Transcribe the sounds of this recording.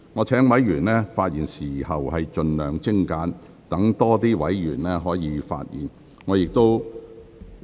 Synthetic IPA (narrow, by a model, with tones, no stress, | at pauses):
ŋɔː˨˧t͡sʰɛː˨˥ŋwɐ˨˥jɥyː˨˩nlɛː˥faː˧t̚jiː˨˩nsiː˨˩hɐ˨whɐ˨jt͡ʃɵ˧nlœː˨ŋt͡sɪ˥ŋkaː˨˥n | t̪ɐ˨˥ŋt̪ɔː˥t̪iː˥wɐ˨˥jjyː˨˩nlɛː˥ɦɔː˨˥jiː˨˧fa̰ː˧t̚jḭː˨˩n | ŋɔː˨˧jɪ˨k̚t̪o˥w